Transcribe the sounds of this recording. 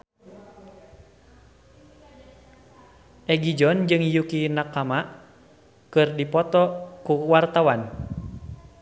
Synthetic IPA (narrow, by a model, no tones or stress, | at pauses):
ʔɛɡid͡ʒɔnd͡ʒɨŋjukinakamaʔ | kɨrdipɔt̪ɔkuwart̪awan